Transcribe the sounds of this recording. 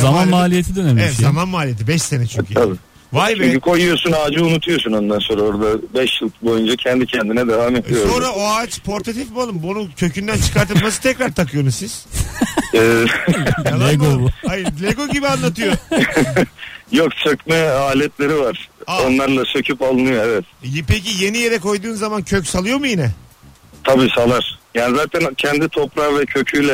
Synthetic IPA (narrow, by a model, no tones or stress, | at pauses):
zamanmaːlʲijet̪ʰid̪ønɛɛɛt̪zamanmaːlʲijet̪̬ʰibɛʃse̞nɛt͡ʃʰokiazɯ | vajbt͡ʃyɲcykʰo̞jujosunaːd͡ʒɯunut̪ʰujo̞suno̞nd̪anso̞ːɾao̞ɾd̪abɛʃjɯlˠkbo̞jund͡ʒacʰɛnd̪icʰɛnd̪inɛd̪e̞vaːmedijoso̞nɾaoaːt͡ʃpʰo̞ɾt̪ʰat̪ʰifbualˠɯmbonucʲʰø̞cynd̪ænt͡ʃʰɯ̥kaɾt̪ʰɯlˠmasɯ̥t̪ʰɛcɾaɾt̪ʰakʰɯjo̞nuzsiz̥ | ɛːd̪lʲeɡobajɯɾd̪lʲeɡo̞ɟibianlˠat̪ʰɯjo | jokt͡ʃʰøcmɛaːlʲɛt̪lʲe̞ɾivaɾ̥aonlˠaɾlˠat͡ʃʰøcʰypalˠɯnɯjoɛvɛt̪jpecije̞nijeɾɛko̞jd̪uːnzamancʰøcsalˠɯjo̞mujinɛ | t̪ʰabiːsalˠaɾ̥jaːnizaːt̪ʰæncʰɛnd̪it̪ʰo̞pɾavɛcʰøcʰyjlʲɛ